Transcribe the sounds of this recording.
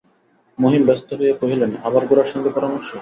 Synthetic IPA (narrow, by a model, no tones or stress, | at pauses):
moɦimbɛst̪oɦoepoɦilenabaɾɡuɾaɾʃɔnd̪epɔɾamoɾʃːo